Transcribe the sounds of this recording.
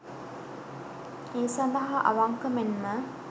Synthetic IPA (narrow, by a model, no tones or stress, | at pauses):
eːsɐnd̪ɐɦaʔɐ̰ʋaŋkəmenmə